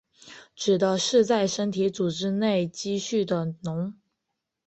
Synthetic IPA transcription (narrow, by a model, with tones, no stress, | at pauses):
ʈ͡ʂɻ̩˨˩d̪ə˦ʂɻ̩˥˧t͡sa˥˩ɪʂə˥nt̪ʰi˧˥t͡su˨˩ʈ͡ʂɻ̩˥ne˥˩ɪt͡ɕi˥ɕy˥˩d̪ə˩nʊ˧˥ŋ